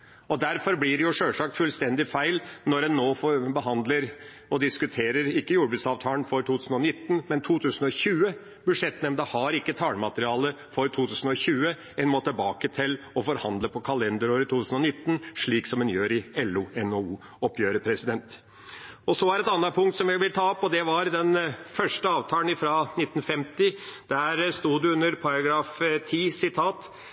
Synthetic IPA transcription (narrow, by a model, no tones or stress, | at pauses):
ɔd̪æɾfɔɾblɪɾɛjʊʂøːlʂɑːkfʉlst̪ɛnd̪ɪfæɪlnɔɾɛnːoːfbəɦɑnd̪ləɾ | ɔd̪ɪskʉt̪ʰeːɾəɾɪkːəjuːɾbʉːt̪sɑːʋt̪ʰɑːlənfɔɾʈ̪ʰuːt̪ʰʉːsn̩ɔnɪt̪ːnmɛnt̪ʰuːt̪ʰʉːsən̩ɔçʉːə | bʉʂɛt̪nɛmnd̪əhɑɾɪkːət̪ʰɑːləmɑt̪əɾɪɑːlə | fɔɾt̪ʰuːt̪ʰʉːsn̩ɔɕʉːə | ɛnmot̪ʰɪlbɑːkət̪ʰɪl | ɔfɔɾhɑnd̪ləpʰɔkʰɑlɛnd̪əɾoːɾət̪uːʉːsn̩ɔnɪt̪ːn̩ʂɭiːksɔmɛnjøːɾɪɛlːʉɛnouː | ɔpʰːjøːɾəpʰɾɛsɪd̪ɛnt̪ | ɔsɔæɾɛt̪ɑnːɑpʰʊŋkt̪sɔmʋɪʋɪlt̪ʰɑːɔpːɔd̪ɛʋɑɾd̪ɛnfœʂʈəɑːʋt̪ʰɑːlənɪfɾɑnɪt̪ːn̩fɛmt̪ɪd̪̥æɾst̪uːd̪ʉʉnːəɾpʰɑɾɑɡɾɑːft̪ʰiːsɪt̪ʰɑːt̪